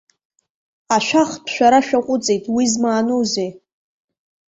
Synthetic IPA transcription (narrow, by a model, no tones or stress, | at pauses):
aʃʷᶣaχpʰʃᶣʷaɾaʃᶣaqʷʼʊt͡sʼejtʼwizmaːnoze